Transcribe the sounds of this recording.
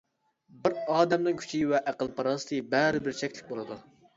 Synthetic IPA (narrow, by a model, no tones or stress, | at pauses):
bɪɾɑːd̪ɛmnɪŋkʲʰy̥t͡ʃʰiwɛʔæqəlˠpʰɑɾɑːsɨ̥t̪ʰɨbɛɾɪbɪɾt͡ʃʰɛkʲlɪk̚ʲbolˠɨd̪u